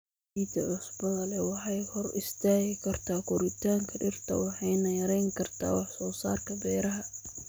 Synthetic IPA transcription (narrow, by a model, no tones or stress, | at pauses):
iːd̪ʰɐʕʊsbɐðɐlɛwɑħɑjhɔrɪst̪ʰaːɣɪkʰɐrt̪ʰaːkʰʊɾɪt̪ʰaːŋkʰɐɖɪrt̪ʰɐ̰wɑħɑjnɐjɐɾɛjŋkʰɐrt̪ʰa̰ːwɑħsɔːsa̰ːrkʰɐbɛːɾɐɦɐ